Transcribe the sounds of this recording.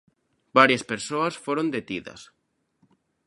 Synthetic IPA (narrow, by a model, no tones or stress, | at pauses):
baɾjaspeɾsoɐsfoɾõnd̪et̪iðɐ̰s